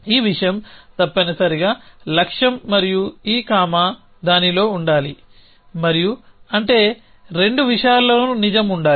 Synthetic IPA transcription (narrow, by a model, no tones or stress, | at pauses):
iːʋiʂɐjɐmt̪ɐpːɐnɐsɐɾiɡaːlɐkʂɐmːɐɾijuiːkaːmaː | d̪aːnilo̞ːuɳɖaːli | mɐɾijuɐɳʈe̞ː | ɾe̞ɳɖuʋiʂɐjaːlːoːnunid͡ʒɐmuɳɖaː